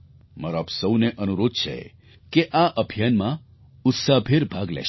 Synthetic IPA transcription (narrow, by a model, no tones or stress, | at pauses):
məɾɔbsəwneʔənuɾod̪̚t͡ʃʰḛ | keʔaʔəbʱijanmã | ʊt̪sabʰʱeɾbʱaɡlɛ̰ʃ